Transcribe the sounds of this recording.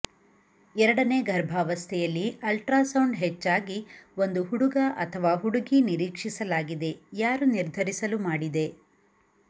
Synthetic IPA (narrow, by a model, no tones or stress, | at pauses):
ɛɾɐɽɐne̞ːɡʱɐɾbʱaːʋɐst̪ʰɛjɐlːiɐlʈɾaːsɐwɳɖɦɛt͡ʃːaːɡio̞nd̪uɦuɽuɡɐʔɐt̪ʰɐʋaːɦuɽuɡiniɾiːkʂisɐlaːɡid̪e̞jaːɾuniɾd̪ʱɐɾisɐlumaːɽid̪e̞